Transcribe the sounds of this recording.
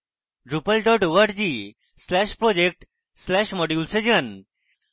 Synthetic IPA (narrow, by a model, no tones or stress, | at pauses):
ɾupəlɖɔʈuʋəʈd͡ʑiː | slɛɕpɾɔd͡ʑek̚ʈ | slɛɕmɔɖjulsed͡ʑən